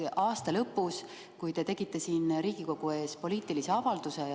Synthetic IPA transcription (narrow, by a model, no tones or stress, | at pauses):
ɑːst̪ɑlɤpːˑus | kujt̪e̞t̪e̞ɡ̥it̪ːˑe̞siːnɾiːɡ̥iko̞ɡ̥ue̞ːspo̞lʲiːt̪ˑilise̞ɑvɑld̪use̞